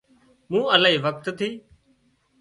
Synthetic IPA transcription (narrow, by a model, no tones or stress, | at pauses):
mũːəlaːiːʋək̚t̪t̪ʰiː